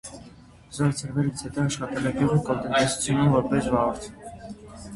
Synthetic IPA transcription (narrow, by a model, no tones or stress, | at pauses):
zɔɾt͡sʰəɾvɛɾit͡sʰɛt̪ɔɑʃχɑt̪ɛlɛɡjuʁikɔlt̪ɛnd̪ɛsu̥t͡sʰjunumvɔɾpɛsvɑʁɔɾt͡sʰɛ